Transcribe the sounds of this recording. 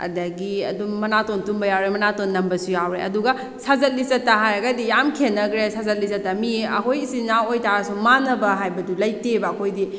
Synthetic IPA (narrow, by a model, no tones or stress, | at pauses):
ɐ̰dɐɡiɐ̰dumːɐnatontumbɐjawɾemɐnatonːɐmbɐsujawɾeɐ̰duɡɐ | sazɐt̚lisɐtːaɦajɐɡɐdijamkʰenːɐkɾesazɐt̚lisɐtːamiɐkʰojisinaojtaɾasumanɐbɐɦajbɐdulɐjtebɐːkʰojdi